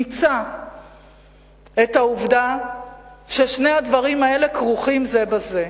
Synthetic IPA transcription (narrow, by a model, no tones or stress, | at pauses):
it͡sa | etauvda | ʃe̞ʃnead̪vaʁimaele̞kʁuχimzebaze